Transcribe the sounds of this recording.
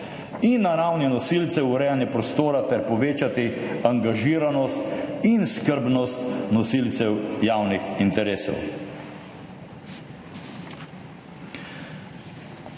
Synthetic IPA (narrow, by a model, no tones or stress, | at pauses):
inːaɾawninɔsilt̪sɛuɾɛjanjɛpɾɔst̪oːɾat̪ɛɾpɔʋeːt͡ʃat̪i | aŋɡaʒiːɾanɔst̪inskəɾbnɔst̪nɔsilt̪sɛwjaːwnixint̪ɛɾeːsɛ̰w